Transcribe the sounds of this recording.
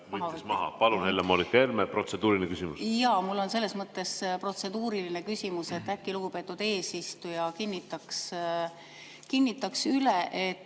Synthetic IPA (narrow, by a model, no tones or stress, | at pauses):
mɑhɑsmɑɦɑ̰pɑlunhelːemolikːˑelmepro̞t̪se̞d̪̥uːɾiinekysimṵsjɑmulːo̞nse̞lːe̞smɤt̪ːe̞spro̞t̪se̞d̪̥uːɾilinekysʲimuse̞t̪ːækːˑiluɡ̥upe̞ːt̪ːˑud̪̥e̞ːsist̪ujɑkinːit̪ːˑɑks | kinʲːit̪ːˑɑksyleʔe̞t̪ː